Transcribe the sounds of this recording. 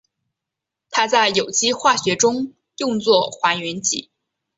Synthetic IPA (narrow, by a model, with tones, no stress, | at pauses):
t̪ʰa˥t͡sa˥˩ɪjo˨˩ʊt͡ɕi˥xwa˥˩ɕɥɛ˧˥ʈ͡ʂʊ˥ŋ | jʊ˥˧ŋt͡swɔ˥˩xwa˧˥nɥɛ˧˥nt͡ɕḭ˧˩˦